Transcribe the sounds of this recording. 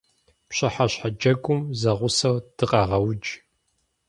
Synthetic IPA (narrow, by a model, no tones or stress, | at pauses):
pɕɐħaɕħad͡ʒɐɡʷʼʊmzɐʁʷʊsɐwd̥ɨqʼɐʁɐwd͡ʒ